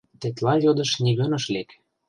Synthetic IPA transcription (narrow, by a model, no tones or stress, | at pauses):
t̪et̪lɑjod̪ɤ̆ʃniɣɤ̆nɤ̆ʃlek